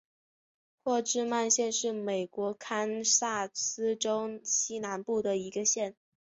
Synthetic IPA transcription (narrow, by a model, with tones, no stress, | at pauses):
pʰwɔ˥˧ʈ͡ʂɻ̩˥˧ma˥˧nɕjɛ˥˧nʂɻ̩˥˩me˨˩ɪkwɔ˧˥kʰa˥nsa˥˩sɹ̩˥ʈ͡ʂo˥ʊɕi˥na˧˥npu˥˩d̪ə˩i˧˥ɡə˧ɕjɛ˥˩n